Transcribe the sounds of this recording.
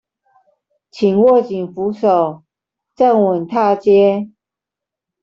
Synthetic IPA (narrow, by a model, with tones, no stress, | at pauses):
t͡ɕʰi˨˩ŋwɔ˥˩t͡ɕi˨˩ŋfu˧˥˦ʂo˨˩ʊ | t͡sa˥˩ŋwə˨˩nt̪ʰa˥˧t͡ɕjɛ˥